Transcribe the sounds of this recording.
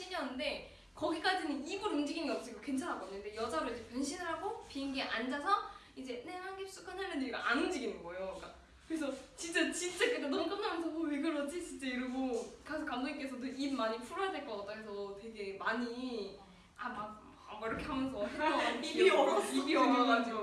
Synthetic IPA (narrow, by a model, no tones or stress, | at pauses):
ɕʰijʌnːɯnde̞ | kʌɡik͈ad͡ʑinɯniɡuɾund͡ʑiɡinɡeʌp̚t͡ɕ͈ʰiɡokwe̞nt͡ɕʰanɦak͈ʌɲɯnde̞jʌd͡ʑaɾɯɭid͡ʑepunɕʰinɯɾɦaɡopiinɡeʔand͡ʑasʰʌ | id͡ʑe̞nehaŋɡip̚s͈ukʰanaɭnɯniɾiɡaʔanɯnd͡ʑiɡinɯnɡʌejoiŋk͈a | kɯɾesʰʌt͡ɕint͡ɕ͈at͡ɕint͡ɕ͈akekanʌmuk͈ɯmnamjʌnsʰʌmoweɡɯɾʌd͡ʑit͡ɕint͡ɕ͈aiɾɯɡokasʰkamdoŋik͈e̞sʰʌnɯimmaɲipʰuɾojadweɭk͈ʌk͈ʌt͈aɡes̬ʰʌte̞ɡe̞maɲi | ama | ɡaiɾʌkʰe̞ɦamjʌnsʰʌsʰeʌiiʌɾʌibiɯɡʌnad͡ʑio